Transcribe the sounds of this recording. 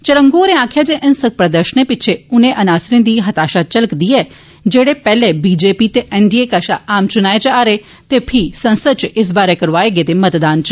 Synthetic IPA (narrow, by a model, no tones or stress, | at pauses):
t͡ʃəɾə̃ŋɡoːɾẽãːkʰjad͡ʒeʔɐnsəɡ̚pɾəd̪əɾʃənepɪt͡ʃʰeʊnẽʔɐnaːsɾɪ̃nd̪iːɦɐt̪aːʃat͡ʃələkd̪iɛː | d͡ʒeːɽepɛːlebiːd͡ʒeːpit̪eʔɛɳɖiekaːʃaaːmt͡ʃʊnaːet͡ʃaːɾe | t̪epʰisɐ̃nsət͡ʃɪs̬baːɾekɐɾʋaːeɡet̪emɐt̪d̪aːnt͡ʃ